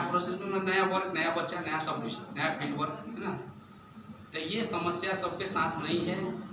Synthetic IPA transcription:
apɾoːsesmẽmẽnɐjaʋəɾknɐjabɐtːʃanɐjasɐbʋɪt͡ʃnɐjaɪlʋəɾkɦɦɛna | t̪ojesɐməsjasɐb̚kesãːt̪ʰnɐɦĩɦɛː

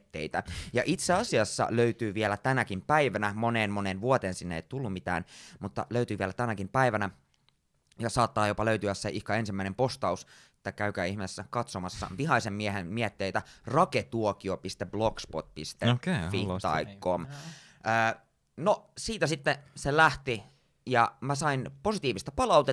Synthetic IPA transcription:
t̪ːḛit̪æjɑʔit̪seɑsiɑsːɑ̰løyt̪yːʋielæt̪ænækimpæiʋænæmo̞neːnmoneːnʋuot̪eːnsinːḛit̪ulːummit̪æ̰ːnmut̪ːɑ̰løyt̪yːʋielæt̪ænækimpæiʋænæ | jɑsɑːt̪ːɑːjopɑløyt̪yæsseʔihkɑensimːæinempo̞st̪ɑus | e̥t̪ːækæykæːihmesːækɑt̪somɑsːɑ̰ʋiɦɑisemmieɦenmiet̪ːeːt̪ærɑket̪uokiopist̪eblokspot̪̚pist̪efːit̪ɑ̰ikkːom | əː | nosiːt̪æsit̪ːeselæht̪i | jɑmæsɑinpo̞sit̪iːʋist̪ɑpɑlɑuwt̪e

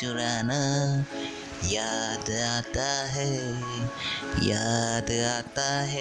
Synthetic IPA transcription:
uɾana | jad̪at̪aɦe | ja̰d̪at̪aɦe

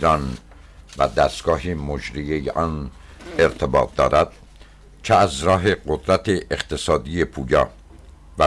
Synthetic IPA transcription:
ɾɒn | væd̪æst̪ɡ̥ɒːɦiːmod͡ʒɾiejḛʔɒːn | eɾt̪ʰebɒːt̪̚d̪ɒ̰ːɾæd̪̥̚ | t͡ʃʰeæzɾɒːɦe̞ɢod̪ɾæt̪ʰeʔeχt̪ʰe̞sɒːd̪ije̞pʰuːjɒ̰ː | væ

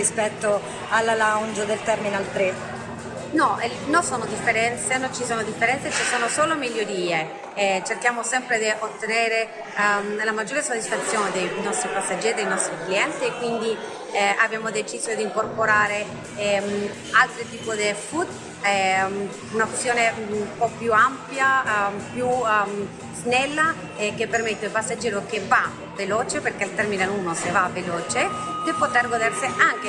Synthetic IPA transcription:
ispɛt̪ːo | alːalaund͡ʒod̪elt̪ɛrminalt̪ɾe | nɔɛ | nonsoːnod̪ifːeɾɛnt̪senont͡ʃisoːnod̪ifːeɾɛnt̪set͡ʃisoːnosoːlomiʎːoɾiːe | ɛt͡ʃerkjaːmosɛmpɾed̪iʔot̪ːeneːɾe | ɛmlamad͡ʒːoːɾesot̪ːisfat̪sːjoːned̪ejnɔst̪ɾipasːad͡ʒːɛːɾid̪ejnɔst̪ɾikliɛnt̪iːkːwind̪i | ʔabjaːmod̪et͡ʃiːzod̪iŋkorpoɾaːɾe | ɛm | alt̪ɾet̪iːpod̪efud̪ | ɛ | unasjoːnepɔpjuampjapjum | z̥nɛlːa | kepːermet̪ːelpasːad͡ʒːeːɾokeva | veloːt͡ʃeperkelt̪ɛrminealuːnosevaveloːt͡ʃed̪epot̪erɡod̪erseʔaŋke

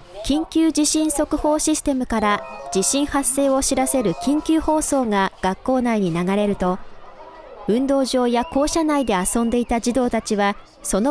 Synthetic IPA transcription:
kʲĩŋkʲɨːd͡ʑiɕĩɰ̃so̞kɯ̟ho̞ːɕisɨ̥t̪e̞mɯ̟kaɾad͡ʑiɕĩɰ̃hasːe̞ːo̞ɕiɾase̞ɾɯ̟kʲĩŋkʲɨːho̞ːso̞ːŋaɡ̥akːo̞ːnaiɲ̟inaɡaɾe̞ɾɯ̟t̪o̞ | ɯ̟̃nd̪o̞ːʑo̞ːjako̞ːɕanaid̪e̞asõ̞nd̪e̞it̪ad͡ʑid̪o̞ːt̪at͡ɕiβa | so̞no

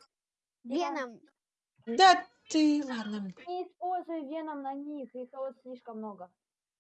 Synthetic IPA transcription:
vʲenəm | d̪at̪ɨlad̪nɐɪːspolʲzʊjvʲenəmnɐnʲixixot̪sʲlʲiʂkəmːnoɡə

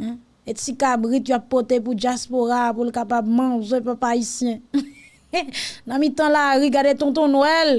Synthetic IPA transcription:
etikabʁit̪uapːɔt̪epud͡ʒjaspoʁapulkapab̚mãzẽpɛpaisjɛ̃ | nãmit̪ɑ̃laɣiɡadet̪ɔ̃t̪ɔ̃nɛl

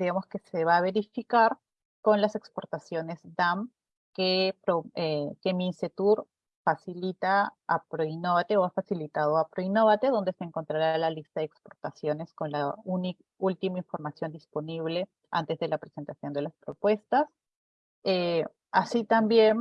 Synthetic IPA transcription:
d̪iɣamoske̞se̞βaːβeɾifikaɾ | ko̞nlase̞kspo̞ɾt̪asjo̞ne̞zd̪am | kepɾoekeminse̞t̪uɾ | fasilit̪aːpɾoino̞βat̪e̞oafasilit̪aðoapɾo̞ino̞βat̪e̞ðo̞nd̪e̞se̞ːŋko̞nt̪ɾaɾalalist̪aðekspo̞ɾt̪asjo̞ne̞sko̞nlauni | ult̪imaiɱfo̞ɾmasjo̞nd̪ispo̞niβ̞le̞ | a̰nt̪e̞zðe̞lapɾese̞nt̪asjo̞nd̪e̞laspɾo̞pwe̞st̪as | e | asit̪ambje̞n

